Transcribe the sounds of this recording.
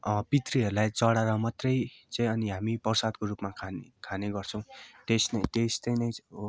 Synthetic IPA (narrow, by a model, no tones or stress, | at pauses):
pit̪riɦʌɾulajt͡sʌɽaɾʌmʌt̪rʌjt͡saĩʌniɦamipʌrsad̪̚korupmakʰankʰaneɡʌrt͡sʰʌ̃w̃ʈesnʌʈ̪est̪ʌjnʌj̃